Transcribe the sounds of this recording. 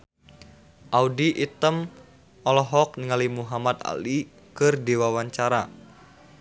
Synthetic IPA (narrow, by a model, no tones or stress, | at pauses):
ʔaudiʔit̪əm | ɔlɔɦɔk̚niŋalimuɦamat̪a̰li | kɨrdiwawaɲt͡ʃaɾa